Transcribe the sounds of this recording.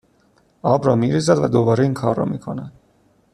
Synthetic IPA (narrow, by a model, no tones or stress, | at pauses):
ɒːbɾɒːmiɾiːzæd̪væ̰d̪obɒːɾeiːŋkʰɒːrːɒ̰miːkʰo̞næd̪̥